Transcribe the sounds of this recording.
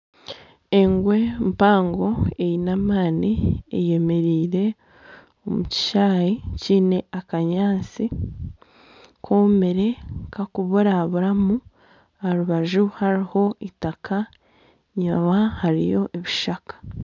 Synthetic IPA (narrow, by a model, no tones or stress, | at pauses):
eŋɡwe̞mpaːŋɡo̞e̞jinamaːniḛje̞me̞ɾiːɾe̞ | omuci̥ʃaːjiciːne̞akaɲaːnt͡si | kʰome̞ɾe̞kakuβuɾaβuɾamu | aɾuβaʒuhaɾiho̞itakʰa | ɲaβahaɾḭjo̞ʔeβiʃakḁ